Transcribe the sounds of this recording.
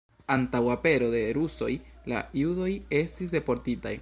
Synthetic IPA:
antawape̞ɾo̞de̞ɾuso̞̰jla̰judo̞je̞stis̬de̞po̞ɾtita̰j

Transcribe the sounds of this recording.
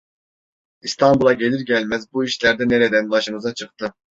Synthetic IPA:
ist̪ʰɑnbulˠɑɟelʲiɾɟʲɛlʲmɛzbuiʃlʲɛɾd̪ɛnɛɾɛd̪ɛnbɑʃɯmɯzɑt͡ʃʰɯqt̪ʰɯ

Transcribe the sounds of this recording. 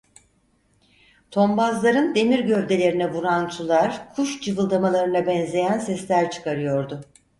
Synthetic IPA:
t̪ʰo̞mbazlˠaɾɯnd̪e̞miɾɟøvd̪e̞lʲe̞ɾinɛvuɾant͡ʃʰulˠaɾkʰuʃd͡ʒɯvɯlˠd̪amalˠaɾɯnabɛnzʲe̞jænsɛslʲæɾt͡ʃʰɯ̥kʰaɾɯjo̞ɾd̪ʊ

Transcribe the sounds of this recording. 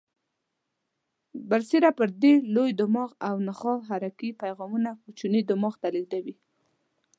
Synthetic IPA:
baɾsiɾapəɾd̪elojd̪ʊmɑɣawnaxɑɦaɾakipajɣɑmunakut͡ʃunid̪ʊmɑɣt̪aliɡd̪awi

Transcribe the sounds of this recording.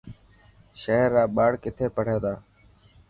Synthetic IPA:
ʃeɦəɾːaːɓaːɽkɪt̪ʰeːpəɽ̤eːd̪aː

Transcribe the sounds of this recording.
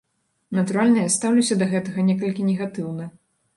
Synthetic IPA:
nɐt̪uɾalʲnɐjast̪awlʲisʲɐd̪ɐɣɛt̪ɐɣɐnʲɛkɐlʲkʲinʲɛɣat̪ɨwnɐ

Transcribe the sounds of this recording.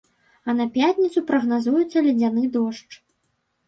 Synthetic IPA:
ɐnɐpʲjat̪ʲnʲit̪supɾɐɣnazujut̪sːɐlʲɛd͡zʲanɨd̪ɔʂt͡ʂ

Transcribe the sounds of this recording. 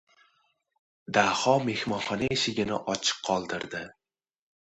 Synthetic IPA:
d̪ahɒme̞hmɒnχɒnaeʃɪɡʲɪnɪ̰ʔɒt͡ʃʰɨ̥qʰːɒlˠd̪ɪɾd̪ɪ

